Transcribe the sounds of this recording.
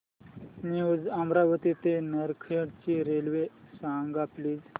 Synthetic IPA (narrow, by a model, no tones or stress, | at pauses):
njud͡zamɾaʋət̪it̪enəɾkʰeɽt͡ɕiɾelʋesãŋɡapliːd͡z